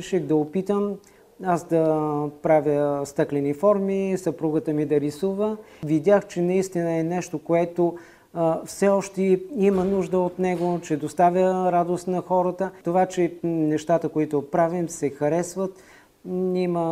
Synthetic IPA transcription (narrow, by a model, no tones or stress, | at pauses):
ʃɛɣd̪ɐopit̪əm | asd̪ɐpɾavʲjəst̪ɤklɛnifɔɾmisɐpɾuɡət̪əmid̪ɐɾisuvəvid̪ʲjaxt͡ʃɛnɐist̪inəɛnɛʃt̪okoɛt̪o | fsɛɔʃt̪ɛimənuʒd̪əot̪nɛɡot͡ʃɛd̪ost̪avʲjəɾad̪ost̪nɐxɔɾət̪ət̪ovat͡ʃɛnɛʃt̪at̪əkoit̪opɾavimsɛxɐɾɛsvət̪ | imə